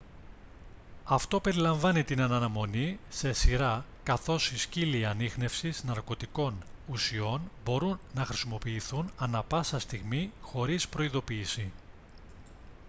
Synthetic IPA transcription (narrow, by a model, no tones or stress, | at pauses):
ɐft̪o̞pe̞ɾilɐɱvɐnit̪inɐnɐnɐmo̞nise̞siɾɐkɐθo̞sisciliɐnixne̞fsiznɐɾko̞t̪iko̞nusio̞nbo̞ɾunːɐxɾisimo̞piːθunɐnɐpɐsɐst̪iɣmixo̞ɾispɾo̞iðo̞piːsi